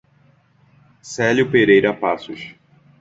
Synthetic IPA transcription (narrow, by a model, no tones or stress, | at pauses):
sɛljʊpeɾejɾɐpasʊʃ